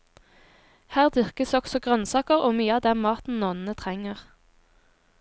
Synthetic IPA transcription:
hæːʁd̪ʏʁkəsɔksɔɡʁœnsɑːkəʁoːmyːəɑːd̪ɛmmɑːt̪n̩nɔːnnət̪ʰʁɛŋəʁ

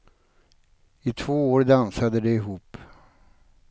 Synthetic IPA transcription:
ɪt̪ʰvoːoːɾd̪ansad̪əd̪ɛɪɦuːp

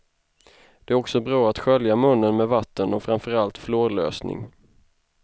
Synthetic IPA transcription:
d̪̥ɛæɾɔksɔbɾɑːat̪ɧœljamɵnːənmeːd̪vat̪ːənɔfœɾamfœɾalt̪floːɾlø̰ːsnɪ̰ŋ

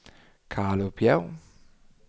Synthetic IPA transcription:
kʰaːlopʰja̰w

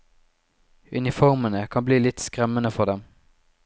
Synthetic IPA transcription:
ʉ̰nɪfɔʁmənəkʰɑmbliːlɪt̪skʁɛmənəfɔʁd̪ɛm

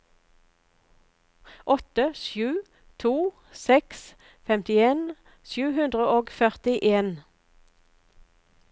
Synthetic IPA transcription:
ʔɔt̪əʃjʉː | t̪ʰuː | sɛks | fɛmt̪ɪeːn | ʃjʉːhʉnd̪ʁəʔoːɡfœʁt̪ɪʔeːn

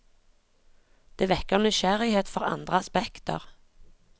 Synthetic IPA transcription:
d̪̥eːʋɛkːəʁnʏʃæʁɪheːt̪fɔʁɑ̰nd̪ʁəɑspɛkt̪ə̰ʁ

